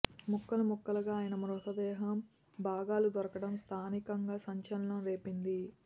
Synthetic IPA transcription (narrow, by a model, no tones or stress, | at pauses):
mukːɐlɐmukːɐlɐɡaːjɐnɐmɐɾut̪ɐd̪ɛːɦɐm | bʱaːɡaːlud̪ɔɾɐkɐɽɐmst̪ʰaːnikɐŋɡaːsɐɲt͡ʃɐlɐnɐmɾeːpind̪i